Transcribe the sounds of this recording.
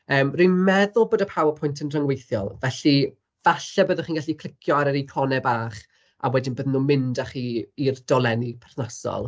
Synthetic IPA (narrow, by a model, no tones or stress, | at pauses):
əːmrinmɛðʊlˠboːdəpʰawəpʰʊjntʰənrəŋwejθjɔ̰lˠvɛɬi | vaɬɛbəːðənχiːnɡaɬikʰl̥ˠɪkʰjɔaɾəɾikʰɔnɛbaːχ | a̰wɛdɪnbəːðnumɪndaχiːirdɔlˠɛnipʰɛrθnasɔ̰lˠ